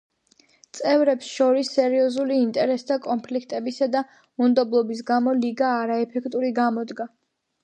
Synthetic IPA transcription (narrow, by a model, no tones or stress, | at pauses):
t̪sʼɛvɾɛpsʃɔɾisːɛɾiɔzuliːnt̪ʼɛɾɛsd̪ʰakʼɔnpʰlikʰt̪ʼɛbisad̪a | und̪ɔblˠɔbis̬ɡamɔliɡaːɾaɛpʰɛkʰt̪ʼuɾiɡamɔd̪ɡa